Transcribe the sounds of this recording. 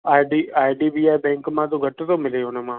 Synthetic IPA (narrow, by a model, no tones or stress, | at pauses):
aːɖiaːjɖiːbiːaːjbɛ̃ːŋkmãːt̪̬õɡʱɐʈːt̪õmɪleoːnemãː